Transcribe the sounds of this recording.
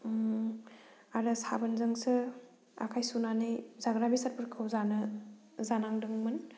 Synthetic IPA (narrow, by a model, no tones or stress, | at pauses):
aɾɯsabɐnzɐŋsɯ | a̰kʰajsunanɯjzaɡɾabisaɾpʰɯɾkʰɯwzanɐ | zanaŋdɯŋmɯn